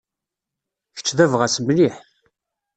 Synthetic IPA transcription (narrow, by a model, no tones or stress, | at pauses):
çə̥t͡sːðævʁæsmliħ